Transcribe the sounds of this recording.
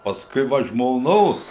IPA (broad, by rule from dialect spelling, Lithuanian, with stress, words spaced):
pɐsˈkʊɪ ˈʋɐ ʒmoːˈnoːs